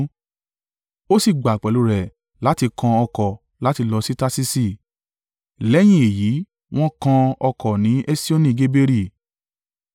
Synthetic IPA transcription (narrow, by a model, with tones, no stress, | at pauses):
o˦si˦˨ɡ͡ba˨k͡pɛ˨lu˨˧ɾɛ˨ | la˨˦ti˧kã˧ɔ˧kɔ˨ | la˨˦ti˧lɔ˧si˦ta˦si˦si˦˨ | lɛ˦j̃ĩ˦e˨ji˨˦ | w̃ɔ̃˦kã˧ɔ˧kɔ˨nĩ˨˦ʔe˦si˦o˦nĩ˧˨ɡe˦be˦ɾi˦˨